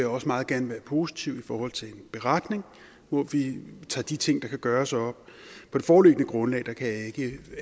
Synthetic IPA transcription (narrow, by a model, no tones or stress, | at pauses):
jäɒ̽səmɑ̈ːð̩ˠɡ̥æɐnəʋæːɐpʰo̝si̥t͡sʰiʊifɒːhɒ̽l̰t͡sʰe̝lenb̥e̝ʁɑd̥ne̝ŋ | ʋɒʋit͡sʰɑ̰̈ːd̥it͡sʰe̝ŋ̰d̥ɑ̈kʰæɡ̥ɶːɐsɒ̽b̥pʰɒ̽d̥e̝fɒːløɡ̥ənəɡ̥ʁɔ̽nlɛ̰ːd̥ɑ̈kʰæjɑ̈e̝ɡ̥ə